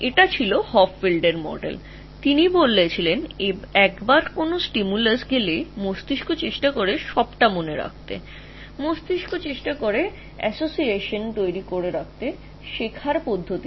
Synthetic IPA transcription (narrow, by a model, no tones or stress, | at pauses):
eʈat͡ɕʰilohɔfʰbilɖeɾmɔ̰ɖḛl | t̪inibolːet͡ɕʰileneɛkbaɾkonosʈimulesɡʱelemost̪iʃkot͡ɕeʃʈakoɾeʃɔbʈamoneɾa̰k̚ʰt̪ḛ | most̪iʃkʰot͡ɕeʃʈakoɾe | ɛ̰sosieʃont̪ojɾikoɾeɾak̚t̪e | ʃekʰaɾpod̪ʱːot̪i